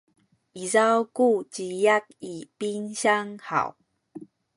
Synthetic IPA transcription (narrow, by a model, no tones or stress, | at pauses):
ʔizawkut͡ɕijak̚ipinɕaŋha̰w